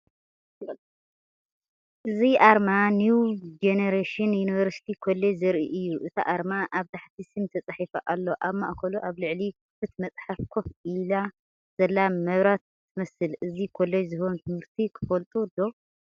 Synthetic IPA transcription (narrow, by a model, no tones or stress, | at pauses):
ʔɨziʔaɾmanjud͡ʒeneɾeʃɨnjunivɐɾsi̥t̪ʰikʰolːejzɐɾʔiʔɨjːuʔɨt̪ʰa̰ʔaɾmaʔaβt̪ʰaħt̪ʰisɨmt̪ʰɐt͡sʼaħifɐʔalːo̞ʔaβma̰ʔkʰɐluʔaβlɨʕli | fɨt̪mɐt͡sʼħafkʰofila | z̥ɐlːamɐβɾat̪ʰːɨmɐsɨlɨzikʰolːejzɨhont̪ʰɨmhɨɾt̪ʰikʰɨ̥fɐlt̪ʼud̪o